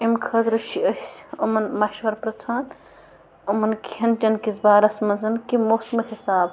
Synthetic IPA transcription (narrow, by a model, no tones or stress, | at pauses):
emkʰɐd̪ɾʃiəsomɐnmɐʃʋɐɾpɾɐt͡sʰaːn | omɐnkʰɐnd͡ʒɐnkizbaːɾɐsmɐnzɐnkimoːsmɦisaːb